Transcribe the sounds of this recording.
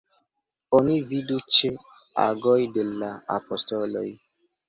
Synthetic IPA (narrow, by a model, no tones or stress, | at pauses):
onividut͡ʃe | a̰ɡojdelaa̰postolo̰j